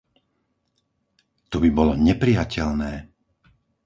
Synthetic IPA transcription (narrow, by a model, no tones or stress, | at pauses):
t̪ɔbibɔlɔɲɛpɾijacʰɛlnɛː